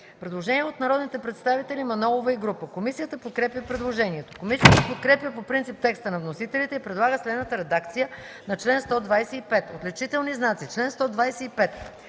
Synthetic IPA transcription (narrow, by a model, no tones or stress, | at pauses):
pɾɛd̪lˠoʒɛniɛot̪nɐɾɔd̪nit̪ɛpɾɛt̪st̪avit̪ɛlʲimɐnɔlˠovəiɡɾupəkomisijət̪əpot̪̚kɾɛpjʲəpɾɛd̪lˠoʒɛniɛt̪o̥komisijət̪əpot̪̚kɾɛpjəpopɾint̪sip̚t̪ɛkst̪ənɐvnosit̪ɛlit̪ɛipɾɛd̪lˠaɡəslɛd̪nət̪əɾɛd̪akt̪sijə | nɐt͡ʃlɛnst̪ɔd̪vajsɛipɛt̪ot̪lɛt͡ʃit̪ɛlˠniznat̪sit͡ʃlɛnst̪ɔd̪vajsɛipɛt̪